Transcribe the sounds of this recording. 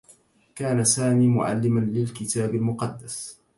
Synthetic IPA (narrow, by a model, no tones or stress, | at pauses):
kaːnasaːmiːmʊ̰ʕa̰lːɪmanlɪlkɪt̪aːbalmʊqɑd̪ːas